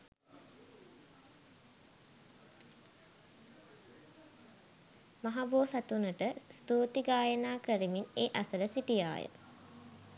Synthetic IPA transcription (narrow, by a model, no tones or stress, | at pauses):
maɦaboːsat̪unəʈəst̪uːt̪iɡaːjənaːkəɾimineːʔasələsiʈija̰ːjə̰